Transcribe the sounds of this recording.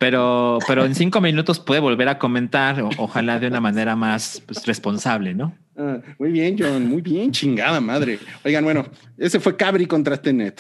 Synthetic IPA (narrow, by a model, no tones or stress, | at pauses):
pe̞ɾope̞ɾo̞ensiŋko̞mĩnut̪o̞spwe̞ðeβo̞lβe̞ɾako̞mẽ̞nt̪aɾoʔoxalaðeunamãne̞ɾamaspwesrespo̞nsaβ̞le̞no̞ | amujβje̞nd͡ʒonmujβjent͡ʃiŋɡaðamaðɾeojɣanbwe̞no̞e̞se̞fwe̞kaβɾikont̪ɾat̪enet̪